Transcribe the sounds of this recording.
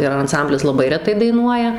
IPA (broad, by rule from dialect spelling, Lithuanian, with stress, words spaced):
ɪr ɐnˈsɐmʲbʲlʲɪs lˠɐˈbɐɪ rʲɛˈtɐɪ dɐɪˈnuɔjɛ